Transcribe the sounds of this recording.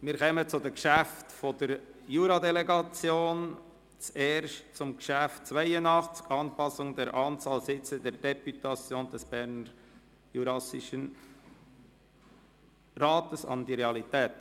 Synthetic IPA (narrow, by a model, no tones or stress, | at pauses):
miːɾkʰɛmət͡sʊd̪ɛkʃæftfɔd̥əɾjuːɾɑdɛlɛɡɑt͡sjoːn | t͡sɛːɾʃt̚t͡sʊmɡʃæftt͡svaɪəndɑχt͡sɪ̥ɡɑnpɑsʊŋd̪ɛɾʔɑːnt͡sɑːlsɪt͡sədɛɾd̥ɛpyt̪ɑt͡sjoːndɛsb̥ɛɾnəɾ | juɾɑsɪʃən | ɾɑːt̪əsɑ̰ndiɾeɑlitɛːt